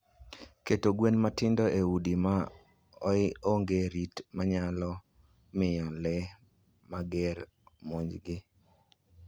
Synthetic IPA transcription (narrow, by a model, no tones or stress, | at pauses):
ketoɡwenmatɪndɔʔeudima | ɔɪoŋɡeɾitmaɲalɔ | mɪɔlɛ | maɡɛɾ | moɲd͡ʒɡɪ